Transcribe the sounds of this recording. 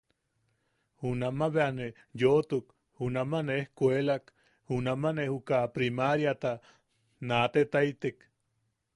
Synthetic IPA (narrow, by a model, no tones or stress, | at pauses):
hunamaβeane | jot̪uk | hunamaneehkʷelak | hunamanehukapɾimaɾjat̪a | nat̪et̪ajt̪ek